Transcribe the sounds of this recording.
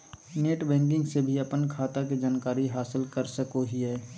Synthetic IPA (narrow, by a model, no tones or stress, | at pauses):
neːʈbɛ̃ːŋk̬ɪ̃ŋɡsebʱiɐpənkʰaːt̪ak̬id͡ʒaːnkaːɾiɦaːsɪlkəɾsəkoɦiɦɛː